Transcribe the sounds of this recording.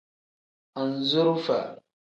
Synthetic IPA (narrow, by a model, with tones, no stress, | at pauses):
a˨n˨zu˦ɾfa̰˨